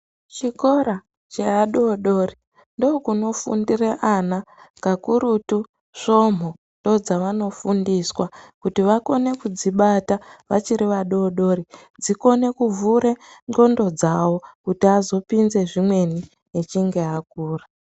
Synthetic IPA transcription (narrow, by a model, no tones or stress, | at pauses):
t͡ʃiko̞ɾa | t͡ʃeaɗo̞ɗo̞ːri | ndo̞kuno̞fṵndireʔanakakuɾutu | ʂo̞m̤o | ndo̞d͡zaʋano̞fundiswakutiʋako̞ne̞kud͡ziɓataʋat͡ʃiɾiʋaɗo̞ːɗo̞ɾi | d͡ziko̞ne̞kuvuɾeŋɡo̞ndo̞d͡zawo̞kutiazo̞pinze̞ʐimwe̞ni | et͡ʃiŋɡe̞ak̚uːra